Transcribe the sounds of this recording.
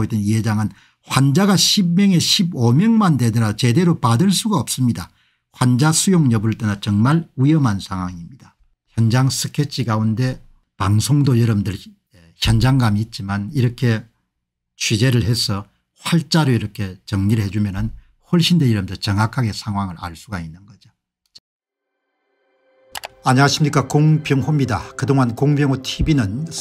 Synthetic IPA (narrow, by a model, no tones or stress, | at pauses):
oit͈enijed͡ʑaŋɯn | hwand͡ʑaɡaɕʰib̚mjʌŋe̞ɕʰibomjʌŋmandedɯɾat͡ɕe̞de̞ɾopadɯɭs͈uɡaʌp̚s͈ɯmɲida | hwand͡ʑasʰujoŋɲʌbɯɾɯɭt͈enat͡ɕʌŋmaɭujʌmɦansʰaŋɦwaŋimɲid̥a | çjʌnd͡ʑaŋsʰɯkʰet͡ɕʰiɡaunde̞ | paŋsʰoŋdojʌɾʌbmndɯɭ | eçjʌnd͡ʑaŋɡamiːt̚t͡ɕ͈imaniɾʌkʰe̞ | t͡ɕʰɥid͡ʑe̞ɾɯɭɦe̞sʰʌ | hwaɭt͡ɕ͈aɾoiɾʌkʰe̞t͡ɕʌŋɲiɾɭhe̞d͡ʑumjʌnɯn | hʌɭɕ͈ʰindejʌɾʌbmndɯɭt͡ɕʌŋakʰaɡesʰaŋɦwaŋɯɭʔa̰ɭs͈uɡainːɯnɡʌd͡ʑo | aɲaaɕʰimɲik͈akoŋpjʌŋhomɲidakɯdoŋɦankoŋbjʌŋutʰibinɯn